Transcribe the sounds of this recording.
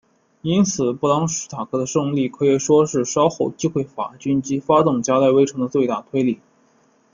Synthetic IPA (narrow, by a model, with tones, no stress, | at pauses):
i˥nt͡sʰɹ̩˨˩˦pu˥˩lɑ˥ŋʂ̩˧˥t̪ʰa˨˩kʰɤ˧˥d̪ə˧ʂɤ˥˧ŋli˥˩kʰɤ˧˥i˨˥˩ʂwɔ˥ʂɻ̩˥˩ʂɑ˥ʊxo˥˩ʊt͡ɕi˥xwe˥˩ɪfa̰˧˥t͡ɕy˥nt͡ɕi˧˥fa˥t̪ʊ˥˩ŋt͡ɕja˥la˥˩ɪwe˥ɪʈ͡ʂʰɤ˧˥ŋd̪ə˧t͡swe˥˧t̪a˥˩t̪ʰwe˥ɪli˥˩